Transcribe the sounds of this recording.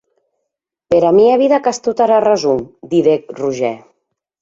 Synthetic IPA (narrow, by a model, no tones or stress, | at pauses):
peɾamiaβiðakast̪ut̪aɾarazumd̪iðek̚ruʒɛ